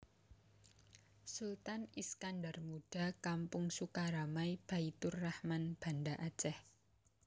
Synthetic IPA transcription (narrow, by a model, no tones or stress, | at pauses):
sult̪aniskandarmuɖ̥a̤kampʊŋsukaɾamaib̥ait̪ʊrːahmanb̥a̤ndaʔat͡ʃɛh